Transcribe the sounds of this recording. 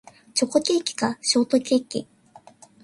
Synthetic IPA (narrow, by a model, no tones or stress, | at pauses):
t͡ɕo̞ko̞kʲe̞ːkʲi̥kaɕo̞ːt̪o̞kʲe̞ːkʲḭ